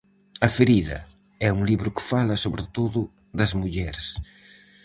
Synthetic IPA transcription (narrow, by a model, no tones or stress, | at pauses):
ɐfeɾiðɐ̰ | ɛuŋliβɾʊkɪ̥falɐsoβɾɪt̪oðʊ | ðɐzmuʎɛɾs